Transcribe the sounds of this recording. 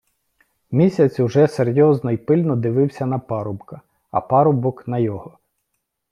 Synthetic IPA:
mʲisʲɐt͡sʲuʒɛseɾʲjɔznɔjpɪlʲnɔd̪ɪʋɪwsʲɐnɐpɑɾʊbkɐ | ɐ̰pɑɾʊbɔknɐjɔɦɔ

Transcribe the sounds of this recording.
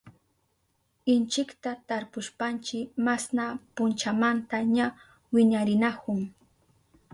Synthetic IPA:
ɪnt͡ʃɪkt̪at̪aɾpʊʃpant͡ʃɪmasnapʊnt͡ʃamant̪aɲa | wɪɲaɾɪnakʊŋ

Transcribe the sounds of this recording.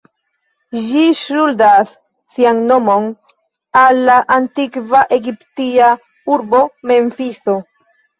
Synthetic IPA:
ʃiʃuldasː | ianno̞mo̞n | alːaʔantikvaʔe̞ɡiptia | uɾbo̞me̞ɱfiso̞

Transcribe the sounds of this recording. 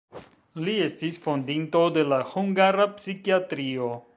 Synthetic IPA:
lie̞stisfo̞ndinto̞de̞lahuŋɡaɾapsikiatɾio̞

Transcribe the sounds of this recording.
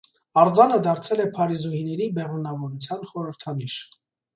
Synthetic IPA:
ɑɾd͡zɑnəd̪ɑɾt͡sʰɛlɛpʰɑɾizuhinɛɾibɛrunɑvɔɾut͡sʰjɑnχɔɾəɾt̪ʰɑniʃ

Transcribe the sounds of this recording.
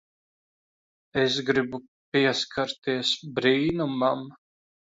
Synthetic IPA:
es̬ɡɾibu | piɛskʰaɾt̪iɛsbɾiːnumam

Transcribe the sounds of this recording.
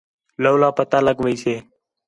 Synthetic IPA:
ləːlãːpət̪aːləɡʋəiːseː

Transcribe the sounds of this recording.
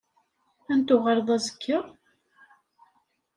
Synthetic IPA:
ænt̪ʊʁəɾˤðˤæzəkʰːəʁ

